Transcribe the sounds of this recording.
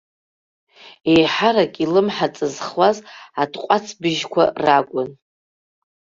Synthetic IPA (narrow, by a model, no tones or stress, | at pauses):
e̞jħaɾakʲʼilɨmħat͡sʼɨzχwazadqʷʼat͡sʰbɨʒkʷʰa̰rakʷʼʊn